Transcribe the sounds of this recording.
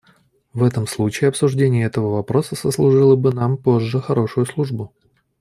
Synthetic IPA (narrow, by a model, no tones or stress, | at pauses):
vɛt̪əmslˠut͡ɕɪjɪɐpsʊʐdʲenʲɪjəɛt̪əvəvɐpɾo̞səsəslˠʊʐɨlˠəbɨnampo̞ʐːəxɐɾo̞ʂʊjʊslˠuʐbʊ